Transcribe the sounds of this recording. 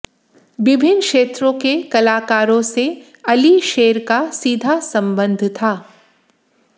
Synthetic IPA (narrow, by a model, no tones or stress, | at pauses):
ʋɪbʱɪnkʃeːt̪ɾõkekɐlaːkaːɾõse | ɐliʃeːɾkasiːd̪ʱasɐ̃mbə̃nd̪ʱt̪ʰaː